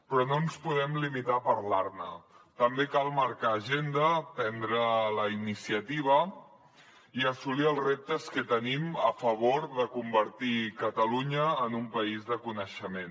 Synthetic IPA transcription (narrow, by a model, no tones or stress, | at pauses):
pɾɔnonspuðɛmlimit̪apəɾlaɾnət̪əmbekalˠməɾkaːʒend̪əpɛnd̪ɾələinisiət̪iβ̞ə | iəsuliəlˠzrep̚t̪əskət̪əniməfəβoɾðəkumbəɾt̪ikət̪əluɲəːnumpəizðəkunəʃəmen